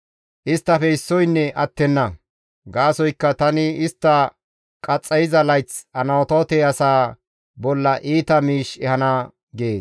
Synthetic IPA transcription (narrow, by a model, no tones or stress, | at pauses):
ʔɪst̪ːɐfɛɪsːɔjnːɛʔɐt̪ːɛnːɐ | ɡaːsɔjkːɐt̪ɐnɪɪst̪ːɐ | kʼɐt͡sʼːɐjɪzɐlɐjt͡sɐnɐwɔt̪oːt̪ɛɐsaː | bɔlːɐʔiːt̪ɐmiːʃɛhɐnɐ | ɡeːs